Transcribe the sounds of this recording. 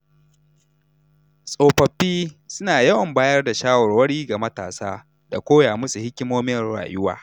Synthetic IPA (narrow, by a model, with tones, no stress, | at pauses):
sʼoː˨ɸɐ˨ɸːiː˦sʊ˦naː˨jɐ˦wɐ˨mbaː˦jɐ˦rda˨ʃaː˦wɔ˨rwɐ˦ɽiː˦ɡa˨mɐ˦ta̰ː˨saː˦ | da˨kʷoː˦jaː˨mʊ˦su˨hɪ˦kʲːɪ˦moː˦mɪ˦ɽa̰ː˨jʊ˦wa̰ː˨